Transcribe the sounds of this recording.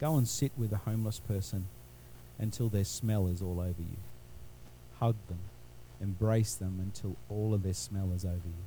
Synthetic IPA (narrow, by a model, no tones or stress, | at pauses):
ɡ̥oʊə̃nsɪt̚wɨðəhõʊ̃mləspʰɜ˞sɨ̃n | ʔɨ̃ntʰɪlˠðə˞smɛlˠɨzɔlˠoʊvə̰˞jʉ̰ | hʌɡ̚ðɨ̃m | ɨ̃mbɹeɪsðə̃mɨ̃ntʰɪlˠɔlˠʌvðə˞smɛlˠəzoʊvə˞jʉ